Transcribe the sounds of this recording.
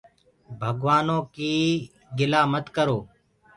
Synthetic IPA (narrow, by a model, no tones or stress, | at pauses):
bʱəɡʋaːnõːkiː | ɡɪlaːmət̪kəɾoː